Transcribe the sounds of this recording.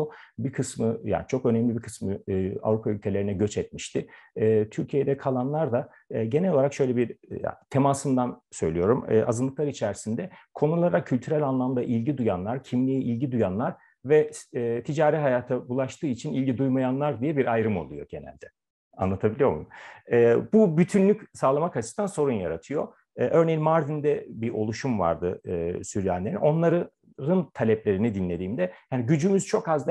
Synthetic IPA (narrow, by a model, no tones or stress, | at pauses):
obikʰɯsmɯja̰ːnit͡ʃʰo̞kø̞nɛmlʲibiɾkʰɯ̥smɯa̰vɾupʰaylʲcʰe̞lʲeɾinɛɟø̞t͡ʃɛt̪̚miʃt̪ɪːt̪ʰyɾcʰijed̪ɛkʰalˠanlˠaɾd̪a | ɟenɛlʲo̞lˠaɾakʃø̞jlʲɛbiɾt̪ʰemasɯmd̪ansø̞̰jlʲijo̞ɾum̰ːa̰zɯnˠɯklˠaɾit͡ʃʰæɾsind̪ɛkʰo̞nulˠɾakcʰːylʲt̪ʰyɾælʲanlˠamd̪aʔilʲɟid̪ujanlˠaɾcʰimlʲijɛʔilʲɟid̪ujanlˠaɾ | vɛt̪ʰid͡ʒaːɾiɦajaːt̪ʰabulˠaʃt̪ʰɯːit͡ʃʰinilʲɟid̪ujmajanlˠaɾd̪ijɛbiɾajɾɯmo̞̰lˠujo̞̰ɟ̥e̞næ̰lʲd̪ɛ | a̰nˠat̪ʰabilʲijo̞ɾmuɛːbubyt̪ʰynlʲycsaːlˠamakʰat͡ʃɯ̥d̪anso̞ɾunjaɾat̪ʰɯjo̞ | ʔø̞ɾnejinmaɾd̪ind̪ɛbiʔo̞lˠuʃumva̰ɾd̪ɯ̰ɯːsyɾjæ̰nlʲeinʔo̞nlˠaɾɯ | ɾɯnt̪ʰalʲɛplʲe̞ɾinid̪inlʲe̞d̪iːmd̪ɛjaːnɟyd͡ʒymyz̥t͡ʃʰo̞kazd̪